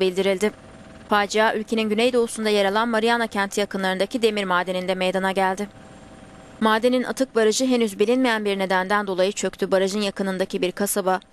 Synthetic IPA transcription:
bilʲd̪iɾilʲd̪ɪ | faːd͡ʒijaːʔylʲcʰe̞ninɟynejd̪o̞usund̪ajeɾalˠanmaɾijanacʰænt̪ʰijakɯnlˠaɾɯnd̪acʰid̪e̞miɾmaːd̪enind̪ɛmejd̪anaɟælʲd̪ɪ | maːd̪e̞ninʔa̰t̪ʰɯk̚baɾaʒɯɦe̞nyzbilʲinmejænbiɾne̞d̪ænd̪ænd̪olˠajɯt͡ʃʰø̞ct̪ʰybaɾaʒɯnjakɯnɯnd̪acibiɾkʰasaba

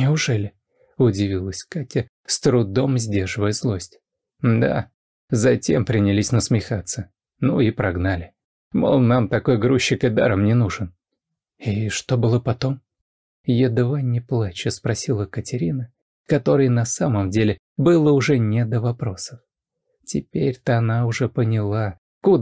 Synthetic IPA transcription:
nʲɪʊʐɛlʲɪ | ʊdʲɪvʲilˠəsʲkatʲə | st̪ɾʊd̪o̞mzʲdʲe̞rʐɨvəjəzlˠo̞sʲtʲ | d̪a̰ | zɐtʲḛmpɾʲɪnʲɪlʲisʲnəsmʲɪxat̪sːə | nuɪpɾɐɡnalʲɪ | mo̰lˠnamt̪ɐko̞jɡɾuɕːɪkɪd̪a̰ɾəmnʲɪnuʐɨn | iʂt̪o̞bɨlˠəpɐt̪o̞m | jɪd̪vanʲɪplˠat͡ɕɪspɾɐsʲilˠəkətʲɪɾʲinə | kɐt̪o̞ɾɨjnɐsaməmdʲelʲɪ | bɨlˠəʊʐɛnʲɪd̪əvɐpɾo̞səf | tʲɪpʲeɾʲt̪əɐnaʊʐɛpənʲɪlˠa | kud̪

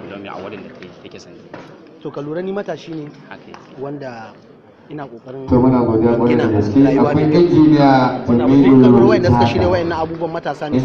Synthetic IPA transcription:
toːkɐluːɽɐnːiːmɐtaːʃiːneːwɐnda | ʔɪnaːkʼoːkʼɐɾɪtoːmʊnaːɡʷoːdejamʷɐɾadɐɡɐskʲeːʔakʷajʔɪnd͡ʒeːnɪjaːd͡ʒɪmeːdodtaaʃiaeːwɐʔɛnːɐ̃ʔabuːbuɐmːɐtaːsaːʔɪ

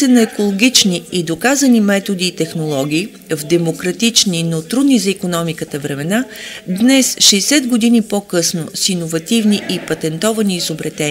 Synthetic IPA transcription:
sɛnɐɛkolˠoɡʲit͡ʃniid̪okazɐnimɛt̪od̪iːt̪ɛxnolˠɔɡʲiː | vd̪ɛmokɾɐt̪it͡ʃninot̪ɾud̪nizɐikonɔmikət̪əvɾɛmɛnad̪nɛsʃɛːsɛd̪ɡod̪inipokɤsnosinovɐt̪ivniʔipɐt̪ɛnt̪ɔvɐniːzobɾɐt̪ɛ

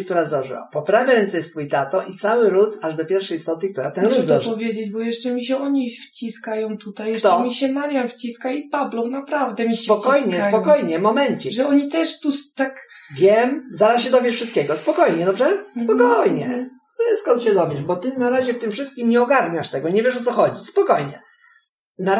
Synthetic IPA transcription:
k̚t̪uɾazɔʐɨ̰wa̰pɔpɾavʲjaɾɛnt̪sɛjɛst̪fujt̪at̪ɔʔit̪sawɘɾut̪aʐd̪ɔpʲjɛɾfʂɛjist̪ɔt̪ɘk̚t̪uɾat̪ɛnɾud̪zɔʐpːɔvʲjed͡ʑed͡ʑbɔjɛʂt͡ʂɛmʲiɕɛɔɲift͡ɕiskajɔ̃w̃t̪ut̪ajjɛʂt̪ɛmʲiɕɛmaɾʲjamft͡ɕiskaipablɔ̃w̃napɾavd̪ɛmʲisɛpɔkkɔjɲɛspɔkɔjɲɛmɔmɛnt͡ɕɛʐɛɔɲit̪ɛʂt̪ust̪akvʲjɛmzaɾasɕɛd̪ɔbjɛʂfʂɨst̪kʲɛɡɔspɔkɔjɲɛd̪ɔbʐɛpɔkɔjɲɛ̰ | ɛskɔnt̪ɕɛd̪ɔbʲjɛʂbɔt̪ɘnaɾaʑɛft̪ɘmfʂɘst̪̚kʲimɲɛɔɡaɾɲaʂt̪ɛɡɔɲɛvʲjɛʂɔt̪sɔxɔd͡ʑispɔkɔjɲɛ | na

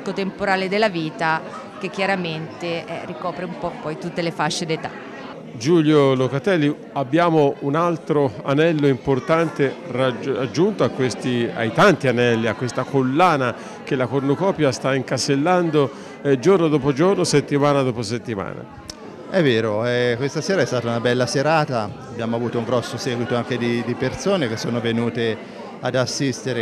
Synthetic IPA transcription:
kːot̪empoɾaːled̪elːaviːt̪a | k̟ek̟ːjaɾament̪eɛ̰rikɔːpɾeumpɔpːɔjt̪ut̪ːelefaʃːed̪et̪a̰ | d͡ʒuljolokat̪ɛlːi | abːjaːmounalt̪ɾoa̰nɛlːoimport̪ant̪eraad͡ʒːunt̪oakːwest̪ia̰jt̪ant̪ianɛlːiakːwest̪akolːaːna | k̟elːakornokɔːpjast̪aiŋkaselːand̪o | d͡ʒornod̪ɔːpod͡ʒornoset̪ːimaːnad̪ɔːposet̪ːima̰ːna̰ | ɛvːeːɾoɛkwest̪aseːɾaɛst̪aːt̪aunabɛlːaseɾaːt̪aabjamoavuːt̪ouŋɡɾɔsːosɛːɡwit̪oaŋk̟ed̪id̪ipersoːnek̟esːoːnovenuːt̪e | ad̪asːist̪eɾe

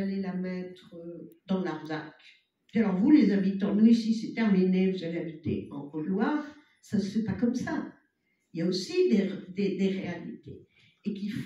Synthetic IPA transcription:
alelamɛt̪χød̪ɑ̃laʁd̪a̰kʲ | alɔʁvulezabit̪ɑ̃mɔnisiset̪ɛaminevuzaleabit̪ḛɑ̰̃ʁɔlwaʁ | sasə̥fɛpakɔmsa | iljaosid̪eʁd̪ed̪eʁealḭt̪ḛː | kif

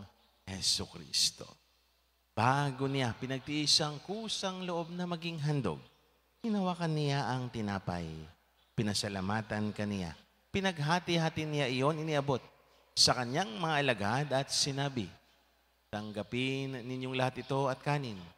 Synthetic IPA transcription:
hɛsukɾḭst̪o̞̰ | b̥aɡo̞nɪjapɪnɐɡ̚t̪iʔiːsɐŋkuːsɐŋloʔo̞b̚nɐmɐɡiŋɦɐnd̪o̰ɡ̚ | ɡɪnɐwakɐnɪjaʔɐŋt̪ɪnaːpɐ̰j | pɪnɐsɐlamaːt̪ɐnkɐnɪja̰ | pɪnɐɡ̚ɦaːt̪ɪhaːt̪ɪnɪjaʔɪjo̞nɪniʔɐbo̞t̪̚ | sɐkɐɲaŋmɐŋaʔɐlɐɡad̪ɐt̪̚sɪnaːbɪ | t̪ɐŋɡɐpɪnnːɪɲjoŋlɐhat̪ɪt̪o̞ʔɐt̪̚kaːnɪn

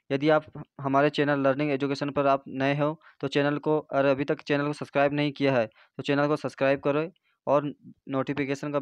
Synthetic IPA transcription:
jɐd̪iaːpɦɐmaːɾet͡ʃeːnəlːəɾnɪ̃ŋɡeːd͡ʒʊkeːʃənpɐɾaːpnɐẽɦe | t̪ot͡ʃeːnəlkoɔːɾɐbʱit̪ɐkt͡ʃeːnəlkosɐpskɾaːɪbnɐɦĩkijaɦɛː | t̪ot͡ʃeːnəlkosɐpskɾaːɪb̚kɐɾoe | ɔːɾnoːʈipʰɪkeːʃənka

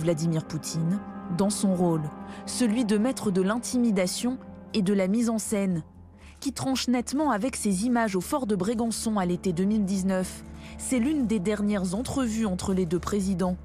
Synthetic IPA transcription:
vlad̪imiʁput̪ʰind̪ɑ̃sɔ̃ʁolsəlɥid̪əmɛt̪χəd̪əlɛ̃t̪imid̪asjɔ̃ | ed̪əlamizɑ̃sɛn | kʲit̪χɑ̃ʃnɛt̪mɑ̃avɛksezimaʒofɔʁd̪əbʁiɡɑ̃sɔ̃alet̪ed̪ømild̪iznœfsɛlynd̪ed̪ɛʁnjɛʁzɑ̃t̪χəvyɑ̃t̪χəled̪øpχezid̪ɑ̃

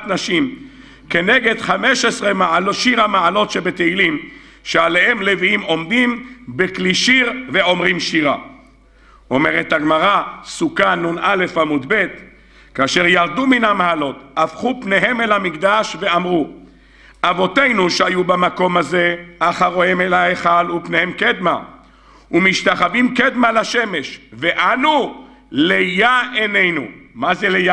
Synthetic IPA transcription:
tnaʃim | ke̞neɡe̞d̪χame̞ʃesʁemaaloʃiʁamaalo̞tʃebet̪eilim | ʃeale̞he̞mleviimo̞md̪imbekliʃiʁve̞o̞mʁimʃiʁa̰ | o̞meʁet̪haɡmaʁasukanunʔale̞famud̪be̞t̪ | kaːʃeʁjaʁd̪uminamaalo̞t̪afχupne̞ɦe̞melhamikd̪aʃve̞amʁu | avo̞te̞jnuʃeajubamako̞mazeaχaʁoemelaeχalupne̞hemked̪ma̰ | umiʃt̪aχavimked̪malaʃe̞me̞ʃveʔanu | lejaene̞jnṵmazeleja

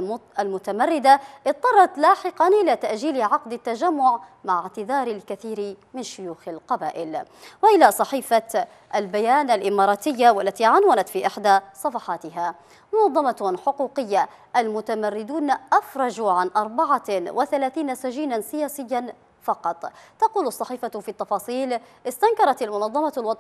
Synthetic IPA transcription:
almʊt̪amarːɪd̪aʔɪt̪ˤːɑrˤːɑt̪laːħɪqɑnʔɪlat̪aʔʒiːlʕɑqd̪at̪ːad͡ʒamːʊʕmaʕɪʕt̪ɪðɑːɾalkaθiːɾmɪnʃʊjuːxalqɑba̰ːʔɪlwaʔɪlasˤɑħiːfa | ʔalbajaːnalʔɪmɑːɾˤɑːt̪ɪjːawalːat̪iːʕanwanat̪fiːʔɪħd̪asˤɑfɑħɑːt̪ɪɦa | mʊnɑðˤːɑmɑħʊquːqɪjːa | ʔalmʊt̪amarːɪd̪uːnʔafɾˤɑd͡ʒuʕanʔɑɾˤbaʕawʔɪθalaːθiːnasaʒiːnansɪjaːsɪjːan | fɑqɑt̪ˤːɑquːlʊsˤːɑħiːfafiːt̪ːɑfɑːsˤiːlʔɪst̪aŋkɑɾˤɑt̪almʊnɑðˤːɑmɑlw̪ˤ

